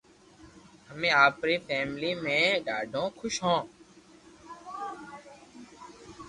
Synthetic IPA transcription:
ɦəmẽːaːpɾiːfʰɛːmliːmẽːɖaːɖʱõːkʰʊʃɦõː

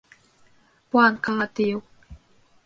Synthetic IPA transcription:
pwankaːt̪iw

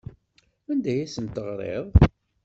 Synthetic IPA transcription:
ænd̪æjæsənt̪əʁɾˤḛðˤ

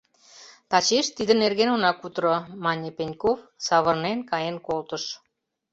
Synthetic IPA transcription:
t̪ɑt͡ɕeʃt̪id̪ə̆nerɣenonɑkut̪ɾomɑnʲepenʲkofsɑβɤ̆rnenkɑjenkolt̪ə̆ʃ

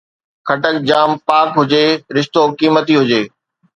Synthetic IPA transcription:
kʰɐʈək̚d͡ʑaːmpaːkɦʊd͡ʑeːɾɪʃt̪oːkiːmət̪iɦʊd͡ʑeː

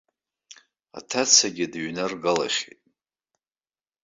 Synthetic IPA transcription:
a̰tʰat͡sʰaɡʲɪdɥnɨrɡala̰ʃḛtʼ

